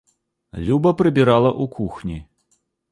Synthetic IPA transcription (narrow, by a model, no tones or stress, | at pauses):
lʲubɐpɾɨbʲiɾalˠɐʔukʰuxnʲi